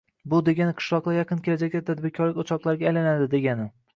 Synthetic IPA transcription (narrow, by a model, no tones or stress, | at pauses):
bʊd̪e̞ɡʲanɪqʰɨ̥ʃlˠɒqlˠajɑqʰɨnkʲʰe̞lad͡ʒak̚ʲt̪at̪ʰad̪̚bɪɾkʲʰɒɾlɪkʲot͡ʃʰɒqlˠaɾɡʲaːjlanad̪ɪd̪e̞ɡʲanɪ